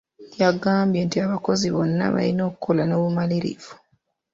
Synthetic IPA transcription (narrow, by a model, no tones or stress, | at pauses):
jaɡaːmbjentiaβako̞ziβo̞nːa̰βa̰lino̞ːkukʰolano̞ːβumaliɾḭvu